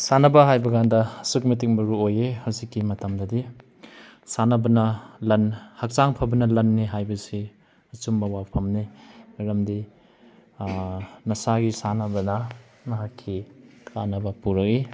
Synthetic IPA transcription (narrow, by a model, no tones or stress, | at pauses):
sanɐbɐɦajbɐɡandɐɐsuk̚mɐtik̚mɐɾuojehɐwzikːimɐtɐmdɐdi | sanɐbɐnɐlɐnhɐk̚t͡ʃaŋpʰɐbɐnɐlɐnːiɦajbɐsi | ɐt͡ʃumbɐwawpʰɐmniɾɐmdi | nɐsaɡisanɐbɐnɐ | nɐɦakʰːikʰanɐbɐpuɾɐk̚i